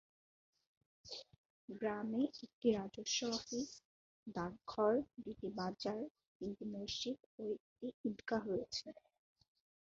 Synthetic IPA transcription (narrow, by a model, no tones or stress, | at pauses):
ɡɾameek̚ʈiɾad͡ʑoʃːɔafi | d̪aɾɡʱɔɾɖiʈibad͡ʑaɾ | ind̪imoʃit̪oekʈiiɖkaɦojet͡ɕʰe